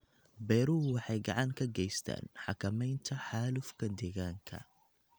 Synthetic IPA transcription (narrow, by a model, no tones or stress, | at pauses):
bɛːɾuwɑħɑjɡɑʕɑŋkʰɐɡɛjst̪ʰa̰ːnħɑkʰɐmɛjnt̪ʰɐħaːlʊfkʰɐd̪ɛːɣaːŋkʰɐ̰